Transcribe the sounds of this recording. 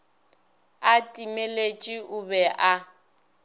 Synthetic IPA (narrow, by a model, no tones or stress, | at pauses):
atʼimelet͡ʃʼiʔʊbɛʔa